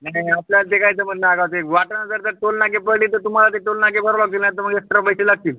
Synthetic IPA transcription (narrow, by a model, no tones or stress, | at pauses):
naapljalt̪ekait̪əm̤ənːaaɡaʋt̪ekʋaʈnəd͡zəɾt̪əɾʈolnakepəɾliːt̪əɾt̪um̤alat̪eʈolnakepəɾlak̚t̪ilnajt̪əɾm̤əɡeek̚st̪ɾapəjselaɡ̚t̪iːl